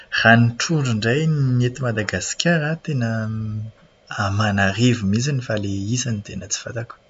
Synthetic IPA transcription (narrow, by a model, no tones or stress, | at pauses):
r̥aniʈ͡ʂuɳɖ͡ʐuɳɖ͡ʐajnnet̪imad̪aɡasi̥kʲaɾat̪enə | amanarevumizanifaleizanit̪enət͡si̥fa̰t̪aku̥